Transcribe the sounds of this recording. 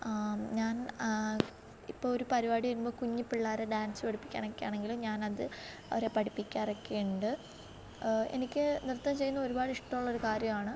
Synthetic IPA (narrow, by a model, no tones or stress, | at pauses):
ɲaːn | ipːoːɭoɾupɐɾibaːɽiʋɐɾumbo̞ːkuɲːipːiɭːaːɾeɖaːnsɨpɐɽʰipːi̥kʲːa̰ːnokːeja̰ːɳe̞ŋɡilumɲaːnɐðɨ | ɐ̰ʋɐɾe̞pɐʈipːikʲːaːrɐkːeːɳɖɨ | e̞̰nikʲːɨnirt̪ːɐmt͡ɕejːunːɐoɾubaːɽiʂʈɐmuɭːɐo̞ɾukaːɾjɐmaːɳɨ